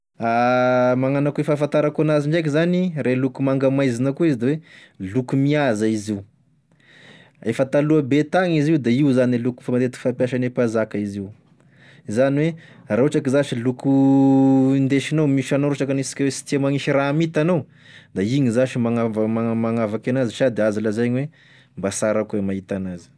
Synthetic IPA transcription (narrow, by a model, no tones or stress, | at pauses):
amaŋanakuefafant̪aɾakuanaziɳɖ͡ʐajk̬izanirelukumaŋɡamajzinakuizd̪awelukumiazaiziu | efət̪aluabet̪aŋiziud̪aiuzanieluku̥famat̪et̪i̥fapjaʃanepazakəiziw | izaniwerauʈ͡ʂakizaʃiluku | ind̪eʃinawmiʃanoɾoʈ͡ʂakanisi̥kʲwesi̥t̪iamaŋiʃiɾaːmit̪anaw | d̪aiɲizaʃimaŋavmamaŋavakanaziʃad̪eazaləzajɲwe | mbasaɾakuwemait̪anazi̥